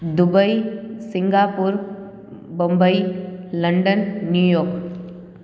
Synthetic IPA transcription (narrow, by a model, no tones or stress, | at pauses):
d̪ʊbəisɪ̃ŋɡaːpuɾ | bõmbəilɐɳɖənːjujoːk